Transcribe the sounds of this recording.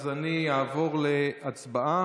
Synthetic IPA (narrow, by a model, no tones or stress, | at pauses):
zanijaːvo̞ʁleat͡sbaʔa